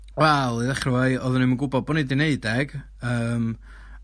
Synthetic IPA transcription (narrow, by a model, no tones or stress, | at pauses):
wɛlˠiðaχrəwajɔðʊnimənɡʊbɔd̚bɔnidɪneɨdɛɡ̥ | əːm